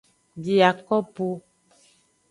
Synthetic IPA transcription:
bi˨a˨kɔ˦po˦

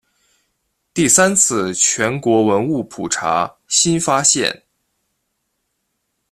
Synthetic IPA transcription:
t̪i˥˩sa˥nt͡sʰɹ̩˥˩t͡ɕʰɥɛ˧˥nkwɔ˧˥wə˧˥nu˥˩pʰu˨˩ʈ͡ʂʰa̰˧˥ | ɕi˥nfa˥ɕjɛ̰˥˩n

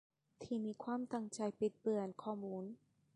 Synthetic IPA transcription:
t̪ʰiː˧˩miː˧kʰwaː˧˥˨mt̪a˧˩ŋt͡ɕa˧jpi˨˩t̪̚pɯ˨˩ənkʰɔː˧˩muː˧˥n

